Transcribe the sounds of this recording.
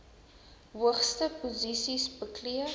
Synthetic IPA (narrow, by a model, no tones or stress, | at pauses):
ɦuəχstəpozisisbəkliə